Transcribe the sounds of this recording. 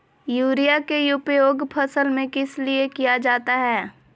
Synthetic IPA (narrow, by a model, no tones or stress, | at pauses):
juːɾijakejuːpejoːɡpʰɐsəlmẽkɪsliekijad͡ʒaːt̪aɦɛː